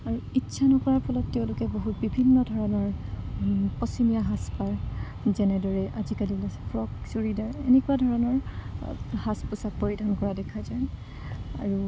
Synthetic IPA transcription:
aɹuitːsʰanɔkɔɹaɹpʰɔlɔtːɛʊ̃lʊkɛboɦut̚bibʱinːɔdʱɔɹɔnɔɹ | pɔsimijaɦaspaɹ | zɛnɛdɔɹɛʔazikalilasɛpʰɹɔksoɹidaɹenɛkuadʱɔɹɔnɔɹ | haspɔsak̚poɹidʱankɔɹadɛkʰazajn | a̰ɹu

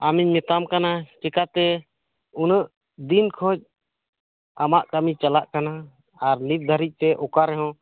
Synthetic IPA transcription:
amiɲmɛt̪amkanat͡ʃɛkat̪ɛ | unəʔ | d̪inkʰɔd͡ʒ̚ | amaʔkamit͡ʃalaʔkanaː | ɾnit̪̚d̪ʱəɾic̚ˀt̪ɛʔɔkaɾɛɦɔ̃

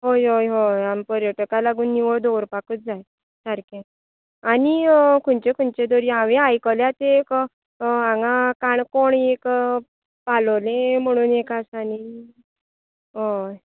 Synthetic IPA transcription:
ɦojɦojɦojampəɾjəʈəkalaɡuːnːiʋəɭd̪owɾpakət̪̚d͡zaj | səɾkẽ | anikʰuɳt͡ɕẽkʰuɳt͡ɕed̪oɾiãʋẽajkəljat̪ek | ãŋɡakaɳkoɳek | paləlẽm̤əɽ̃uːnekasani | ɦoj

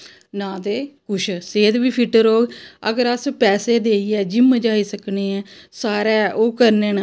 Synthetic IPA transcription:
nãːd̪eːkʊʃʰseːd̪biːpʰɪʈəɾoːɡə̰ɡəɾəspɛːseːd̪eːiːɛːd͡ʒɪmd͡ʒaːiːsəkneːɛːsaːɾɛːʔoːkəɾneːn

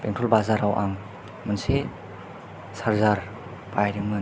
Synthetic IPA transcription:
peŋtʰɔlbazaɾawʔaŋ | mɯnse | saɾzaɾ | pajɾiŋmɯ

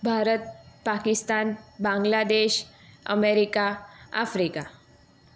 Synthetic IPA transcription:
bʱaɾət̪̚pakist̪anbãŋɡlad̪eɕə̰meɾikaa̰fɾika

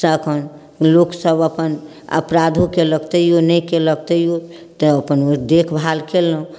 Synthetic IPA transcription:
səkʰən | loksəbəpən | ə̰pɾad̪ʱũkeləɡt̪əjjonəkeləɡ̚t̪əjjo | t̪əəpənd̪ekʰbʱalkelːũ

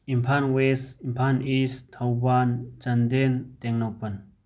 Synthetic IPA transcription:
impʰanwesimpʰanist̪ʰɐwbant͡ʃɐnd̪ent̪eŋnawpɐn

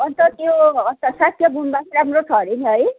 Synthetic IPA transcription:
ʌnt̪ʌt̪joʌnt̪ʌsat̪ʰjʌbʱunbakʰʌɾamrot͡sʰʌɾiniɦʌj

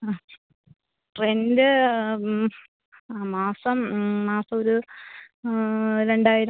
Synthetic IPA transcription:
ʈrendɨ | maːsɐmmaːsɐmoɾu | ɾe̞ɳɖaːjiɾɐ

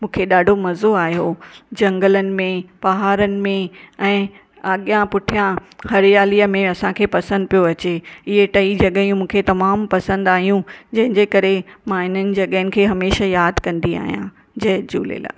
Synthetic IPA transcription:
mũːkʰeɗaːɖʱomɐzoaːjod͡ʑɐ̃ŋɡələnɪ̆mẽbɐɦaːɾənɪ̆mẽɛ̃ː | aːɠijãpʊʈʰijãhɐɾɪjaːliə̆mẽɐsãkʰeːpɐsə̃nd̪̚pijoɐt͡ɕeɪɦeʈɐid͡ʑɐɠəjũmũːkʰet̪ɐmaːmpɐsə̃nd̪aːɦijũd͡ʑɐ̃ɦɪ̃ɲd͡ʑekɐɾemãɪn̤ənɪ̆d͡ʑɐɠəənɪ̆kʰeːɦɐmeːʃajaːd̪kɐ̃nd̪ia̰ːɦijã̰ | d͡ʑɐɦd͡ʑṵːlḛla̰ː

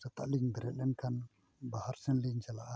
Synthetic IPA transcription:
sət̪aʔliŋɡəɾəɗənkan | bahaɾsənliɲt͡ʃalaʔa

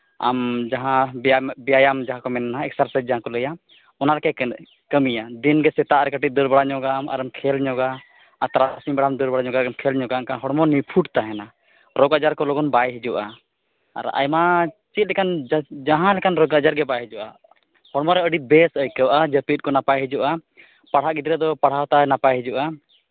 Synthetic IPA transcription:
a̰md͡ʒaɦãbɛjajamd͡ʒaɦãkɔmɛnːaãɛk̚saɾsɛd͡ʒaɦãkɔləja | ɔnalɛkɛ | kəmijad̪inɡɛsɛt̪aʔɾɛkəʈit̪̚d̪əɾbaɽaɲɔɡama̰ɾəmkʰɛlɲɔɡa | at̪ɾasibaɽamd̪əɾbaɽaɲɔɡaɡmkʰɛlɲɔɡakaɦɔɽmɔnipʰuʈt̪aɦɛna | ɾɔɡad͡ʒaɾkɔlɔɡɔnbajɦid͡ʒuʔa̰ː | ɾa̰jmat͡ʃit̪̚lɛkand͡ʒaɦãlɛkanɾɔɡad͡ʒaɾɡɛbajɦid͡ʒuʔa̰ | hɔɽmɔɾɛəɖit̪̚bɛsəjkəwʔad͡ʒəpit̪̚kɔnapajɦid͡ʒuʔa | paɽ̤aʔɡid̪ɾɛd̪ɔpaɽ̤awt̪anapajɦid͡ʒuʔa

